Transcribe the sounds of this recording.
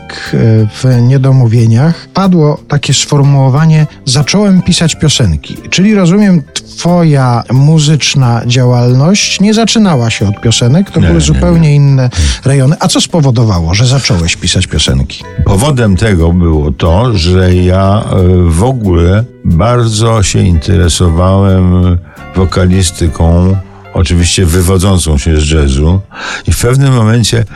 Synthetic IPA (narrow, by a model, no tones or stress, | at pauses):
kv̥ɲɛd̪ɔmuvʲjeɲaxpad̪wɔt̪akʲɛsfɔɾmuwɔvaɲɛzat͡ʂɔwɛmpʲisat͡ɕpʲjɔsɛŋkʲḭt͡ʂɘlʲiɾɔzumʲjɛmt̪fɔjamuzɘt͡ʂnad͡ʑawalnɔɕt͡ɕɲɛzat͡ʂɘnawaɕɛɔt̪̚pʲjɔsɛnɛkt̪ɔbɘwɘzupɛwɲɛinːɛɾɛjɔnɘʔat̪sɔspɔvɔd̪ɔvawɔʐɛzat͡ʂɔwɛɕpʲisat͡ɕpʲjɔsɛ̰ŋkʲi̥pɔvɔd̪ɛmt̪ɛɡɔbɘwɔt̪ɔʐɛja | vɔɡulɛbaɾd̪zɔɕɛint̪ʰɛ̰ɾɛsɔvawɛm | vɔkalʲist̪ɘkʰɔ̃w̃ | ɔt͡ʂɘvʲiɕt͡ɕɛvɘvɔd̪zɔnt̪sɔ̃w̃ɕɛzd͡ʐɛzuifpɛvnɘmːɔmɛɲt͡ɕɛ